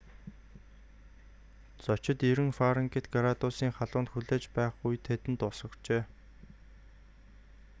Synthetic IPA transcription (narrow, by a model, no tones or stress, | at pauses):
t͡sɔt͡ɕɪ̆t̪iɾɘ̆ŋfaɾə̆ŋkʰĕt̪ɡaɾat̪ʊsiːŋχaɮʊːnt̪xuɮeːt͡ɕpæːχɡujt̪ʰet̪ɘ̆nt̪ʊsə̆kt͡ɕeː